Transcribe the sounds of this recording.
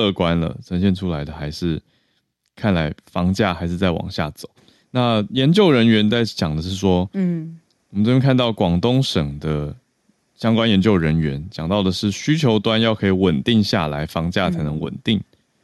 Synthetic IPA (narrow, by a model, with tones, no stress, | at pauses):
lɤ˥˧kwa˦nlə̰˨ʈ͡ʂʰə˧˥nɕjɛ˥˩˨nʈ͡ʂʰu˥la˧˦ɪd̪ə˨xa˧˥ɪʂɻ̩˥˩ | kʰa˥˩nla˧˦˥ɪfɑ˥ŋt͡ɕja̰˥˩xa˧ɪʂɻ̩˥˧t͡sa˥˩ɪwɑ̰˨˩ŋɕja̰˥˩t͡so̰˨˩˦ʊ | na˥˨jɛ˧˦˥nt͡ɕjo˥˩ʊɻə˧˦nɥɛ˧˥nt͡sa˥˩ɪt͡ɕjɑ˨˩ŋd̪ə˦ʂɻ̩˥˩ʂwɔ˥ | wɔ˨mən˥˩jkʰa˥˧nt̪ɑ˥˩ʊkwɑ˨˩ŋt̪o˥ŋʂɤ˨˩ŋd̪ə˦ | ɕjɑ˥ŋkwa˥˦njɛ˧˥nt͡ɕjo˥˩ʊɻə˧˦nɥɛ˧˦nt͡ɕjɑ˨˩ŋt̪ɑ˥˩ʊd̪ə˩ʂɻ̩˥˩ɕy˥t͡ɕʰjo˧˥ʊt̪wa˥˦njɑ˥˩ʊkʰɤ˧˥i˨˩wə˨˩nt̪i˥˧ŋɕja̰˥˩la˧˥ɪfɑ˥ŋt͡ɕja˥˩t͡sʰa˧˥ɪnə˧˦ŋwə̰˨˩nt̪i˥˩ŋ